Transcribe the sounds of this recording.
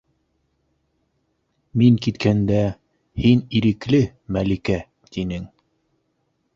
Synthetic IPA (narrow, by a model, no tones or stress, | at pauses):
miŋkit̪kʰænd̪æ | hiniɾɘ̆klɘmælikæ | t̪inɘŋ